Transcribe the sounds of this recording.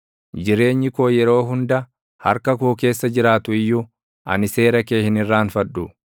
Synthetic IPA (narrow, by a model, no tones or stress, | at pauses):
d͡ʒɪɾe̞ːɲːɪko̞ːjɛɾo̞ːɦʊnd̪ɐ | hɐ̰ɾkɐkoːke̞ːsːɐd͡ʒɪɾaːt̪ʊɪjːu | ʔɐ̰nɪse̞ːɾɐkeːhɪnɪrːaːnfɐᶑʊ